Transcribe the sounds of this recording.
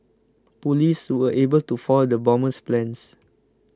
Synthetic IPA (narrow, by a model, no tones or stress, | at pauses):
pulishuəʔebəltufɔldəbɔ̃məsplɛ̃ns